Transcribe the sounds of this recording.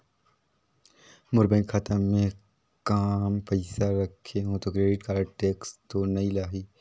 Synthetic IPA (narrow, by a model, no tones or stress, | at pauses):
mʊɾbẽnxʰɐt̪əmːẽ | kaːmpəɪsaɾɐkʰːeɦõt̪okɾeːɖɪʈkaːɾʈeːkst̪onɐilaːɦiː